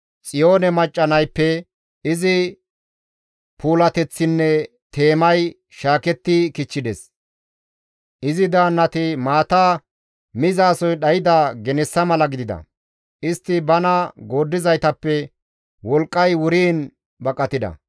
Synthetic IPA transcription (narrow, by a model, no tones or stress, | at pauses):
t͡sʼɪjo̞ːnɛmɐt͡ʃʼːɐnɐjpːɛ | ɪzɪ | pʰuːlɐt̪ɛt͡sːɪnːɛ | t̪ʰe̞ːmɐj | ʃaːkɛt̪ːɪkɪt͡ʃːɪd̪ɛs | ʔɪzɪd̪aːnːɐt̪ɪmaːt̪aː | mɪzɐːsɔjɗɐjɪd̪aːɡɛnɛsːɐmɐlɐɡɪd̪ɪd̪ɐ̰ | ʔɪst̪ːɪbɐnɐɡo̞ːd̪ːɪzɐjt̪ɐpːɛ | wɔlkʼːɐjwʊɾiːn | bɐkʼːɐt̪ɪd̪ɐ̰